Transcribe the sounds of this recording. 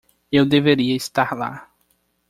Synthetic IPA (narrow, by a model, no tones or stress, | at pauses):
ewd̪eveɾiɐist̪aɾla̰